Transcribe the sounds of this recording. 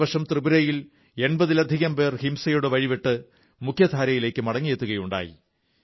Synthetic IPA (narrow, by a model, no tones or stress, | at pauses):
ʋɐʂɐmt̪rɨbuɾɐjil | e̞nbɐðilɐd̪ʱiɣɐmbe̞ːrhimsɐjoɽeʋɐɻiʋeʈːɨ | mukʰjɐd̪ʱaːɾɐjile̞ːkːɨmɐɽɐŋːet̪ːuɣɐjuɳɖa̰ːjḭ